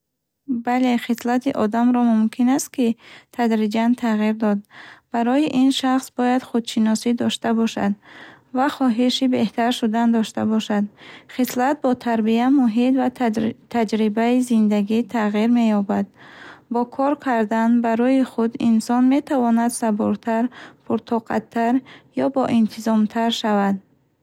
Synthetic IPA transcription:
bale̞χislat̪ʰiʔɔd̪amɾɔmumkʰinast̪̚kit̪ʰad̪ɾid͡ʒant̪ʰaʁiɾd̪ɔd̪̚b̥aɾɔjiʔinʃaχsbɔjad̪χud̪ʃinɔsid̪ɔʃt̪abɔʃa̰d̪vaχɔɦiʃibe̞ht̪ʰaɾʃud̪and̪ɔʃt̪a̰bɔʃad̪χislat̪̚bɔt̪ʰaɾbiamuɦit̪vat̪ʰad͡ʒɾibaizind̪aɡit̪ʰaʁiɾme̞jɔbad̪̚bɔkʰɔɾkʰaɾd̪anbaɾɔjiχud̪insɔnme̞t̪ʰavɔnad̪sabɔɾt̪ʰaɾpʰuɾt̪ʰɔqʰa̰t̪ʰːaɾjɔbɔʔint̪ʰizɔmt̪ʰaɾʃavad̪̚

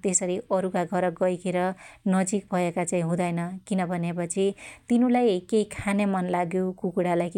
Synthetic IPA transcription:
t̪esʌɾiʌɾukaɡʱʌɾʌɡʌjkʰeɾʌnʌd͡zik̚bʱʌekat͡saĩɦũd̪ʌjnʌkinʌbʱʌnepʌt͡sʰit̪inulajkejkʰanemʌnlaɡjokukuɽalaj

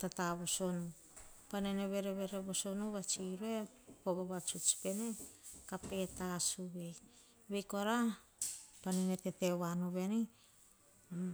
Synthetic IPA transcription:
tataβoso̞nu | paneneβe̞ɾeβe̞ɾeβo̞so̞nuβat͡ʃiɾue̞ | poboβat͡ʃut͡ʃpe̞ne̞kape̞tasuβe̞j | βe̞jko̞ɾa | panenetetewanuβe̞ni

